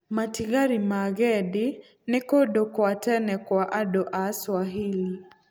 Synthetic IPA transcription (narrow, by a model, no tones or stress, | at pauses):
matiɡaɾimaɡɛdi | nɪkodokwatɛnɛkwaʔadoʔaswaɦili